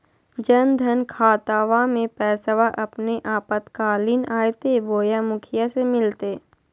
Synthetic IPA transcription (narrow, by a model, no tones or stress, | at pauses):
d͡ʒənd̪ʱənkʰaːt̪aːʋamẽpɛːsəʋaʔɐpneʔaːpət̪kaːlinaːjt̪eboːjamʊkʰɪjasemɪlt̪eː